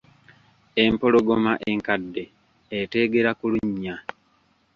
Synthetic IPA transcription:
e̞mpo̞loɡomaʔeŋkadːe̞ː | te̞ɡe̞ɾakuluɲːa

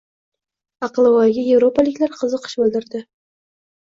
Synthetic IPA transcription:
ɑqlˠɨvɒjɡʲaje̞vɾo̞pʰalɪkʲlaɾqʰɨzɨqʰɨ̥ʃbɵld̪ɪɾd̪ɪ

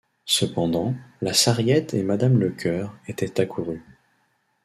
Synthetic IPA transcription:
səpɑ̃d̪ɑ̃lasaʁjɛt̪ʰemad̪amləkʰʲœʁet̪ɛt̪akʰuʁy

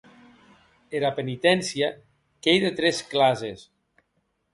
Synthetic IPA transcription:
eɾapenit̪ɛnsia | kejðet̪ɾɛsklazes

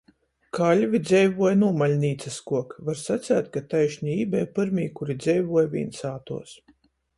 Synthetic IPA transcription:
kalʲvid̪zʲɛjvuɔjnuːmalʲnʲiːt̪saskuɔkvaɾsat̪sæːt̪kat̪ajʃɲiiːbʲɛjpɨɾmʲiːkuɾid̪zʲɛjvuɔjvʲḭːnsaːt̪ṵɔs

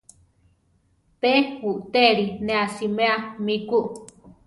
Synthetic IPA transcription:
pehuʔt̪eɾinẽasimeamikuʔ

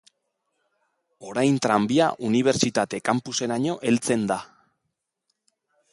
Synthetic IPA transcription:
o̞ɾajnt̪ɾambia̰ʔuniβ̞e̞ɾt͡ʃit̪at̪e̞kampuse̞ɾaɲo̞ʔe̞lt͡se̞nd̪a

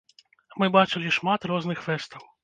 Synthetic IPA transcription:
mɨbat͡ʃɨlʲiʂmat̪rɔznɨxfɛst̪ɐw

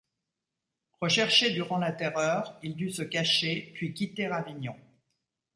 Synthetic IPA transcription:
ʁəʃɛʁʃed̪yʁɑ̃lat̪ɛʁœːʁild̪ysəkaʃepɥikʲit̪eʁaviɲɔ̃

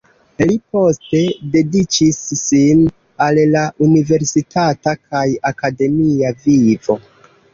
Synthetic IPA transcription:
lipo̞ste̞de̞dit͡ʃisːin | allaʔunive̞ɾsitʰatakʰajakade̞miavivo̞

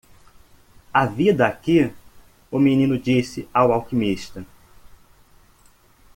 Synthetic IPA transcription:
avid̪ɐaki | ʊmenĩnʊd͡ʒisɪawawkimiʃt̪ɐ

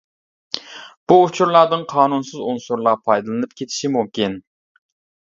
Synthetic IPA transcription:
b̥uːt͡ʃʰuɾlˠɑd̪ɨŋqʰɑːnunsɨzunsuɾlˠɑpʰɑjd̪ɨlˠɨnɨpkʲʰet̪ʰi̥ʃimumkʲin

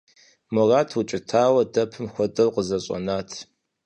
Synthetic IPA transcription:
mɔraːtʰwut͡ʃʼɪtʰaːwɐdɐpʰɨmxʷɔdɐrqəzɐɕʼɔ̰naːtʰ

